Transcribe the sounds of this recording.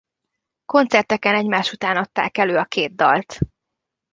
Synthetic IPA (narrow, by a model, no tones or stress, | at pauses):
ko̞nt̪sɛrt̪ɛkɛnɛɟmaːʃut̪aːnɒt̪ːa̰ːkɛløːɒkeːd̪̚d̪ːɒlt̪